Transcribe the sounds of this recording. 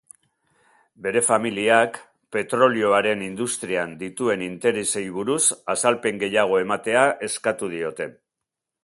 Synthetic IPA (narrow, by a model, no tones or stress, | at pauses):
be̞ɾe̞familiak | pe̞t̪ɾo̞lio̞aɾe̞nind̪ust̪ɾiand̪it̪ue̞nint̪e̞ɾese̞jβ̞uɾusasalpe̞ŋɡe̞jaɣ̞o̞e̞mat̪e̞aʔe̞skat̪uð̞io̞t̪e̞